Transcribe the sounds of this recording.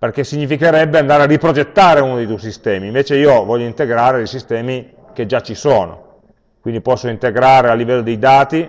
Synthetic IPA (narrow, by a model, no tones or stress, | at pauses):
perk̟esːiɲːifikeɾɛbːeand̪aːɾearipɾod͡ʒet̪ːaːɾeunod̪ejt̪ujs̬ist̪ɛːmiːɱveːt͡ʃeiːovɔʎːoint̪eɡɾaːɾed̪ejsist̪ɛːmi | k̟ed͡ʒːat͡ʃːisoːno̰ | kwind̪ipɔsːoint̪eɡɾaːɾealːivɛlːod̪ejd̪aːt̪i